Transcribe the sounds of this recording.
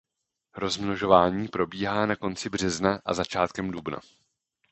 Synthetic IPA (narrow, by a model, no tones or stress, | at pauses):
ɾo̞zmnoʒo̞vaːɲiːpɾo̞biːɦaːnako̞nt͡sɪbr̝ɛznaʔa̰zat͡ʃaːt̪kɛmdubna̰